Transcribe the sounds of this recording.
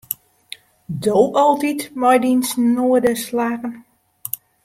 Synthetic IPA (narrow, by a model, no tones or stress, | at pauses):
doːpɔlˠtitmɔjdinsnoədəslaːɣən